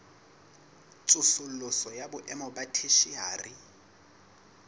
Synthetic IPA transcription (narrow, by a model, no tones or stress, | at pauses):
t͡sʼʊsʊl̩lʊsɔjabʊʔɛmɔbatʰeʃiaːri